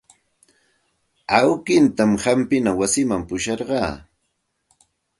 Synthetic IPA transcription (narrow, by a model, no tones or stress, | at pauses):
awkɪnt̪amhampɪnawasɪmampʊʃɑɾɢɑː